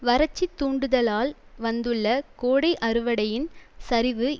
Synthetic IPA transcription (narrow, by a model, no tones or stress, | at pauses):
ʋɐɾɐt͡ʃːit̪ːuːɳɖɯðɐlaːlʋɐnd̪ɯɭːɐkoːɽɐɪʔɐɾɯʋɐɽɐjɪnsɐɾɪʋɯ